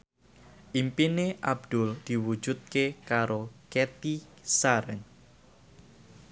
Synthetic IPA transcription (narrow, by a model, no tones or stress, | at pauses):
ʔimpineʔabd̪̥ʊld̪̥i̤wu̥ʒ̥ut̪̚kekaɾoket̪isaɾən